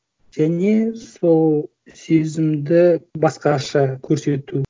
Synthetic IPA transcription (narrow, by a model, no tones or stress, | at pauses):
ʒ̥æne̞so̞lˠ | sezɪmd̪ɪbɑsqɑʃɑkʲʰɵɾse̞t̪u